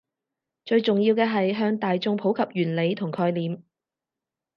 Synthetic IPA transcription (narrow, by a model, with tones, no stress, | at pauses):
t͡ʃɵ˧ɥt͡sʊ˨ŋjiː˧wkɛː˧ɦɐ˨jɦœː˧ŋt̪aː˨jt͡sʊ˧ŋpʰo˨˥wkʰɐ˨p̚jyː˨˩nle˨˧jt̪ʰʊ˨˩ŋkʰɔː˧jliː˨m